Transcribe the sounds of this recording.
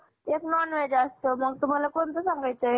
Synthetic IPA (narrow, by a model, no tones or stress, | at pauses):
eknɔnʋed͡ʑəst̪oməɡ̚t̪um̤alakont͡s̪əsaŋɡajt͡saɦe